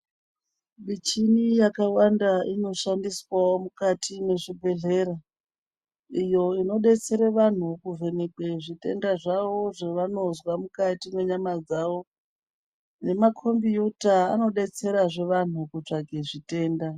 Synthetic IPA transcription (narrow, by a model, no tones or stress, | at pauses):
ɓit͡ʃinijakawandaino̞ʃandiswaomukatʰine̞ʐibʱe̞ɮe̞ːɾa | ijo̞ino̞ɗe̞t͡se̞ɾeʋan̤ukuve̞ne̞keʐite̞ndaʐaʋo̞ʐeʋano̞zwamukatime̞ɲamad͡zaʋo̞ | ne̞makʰombijutaːno̞ɗe̞t͡se̞ɾaʐe̞ʋan̤ukut͡ʂaɡʱe̞ʐite̞ːnda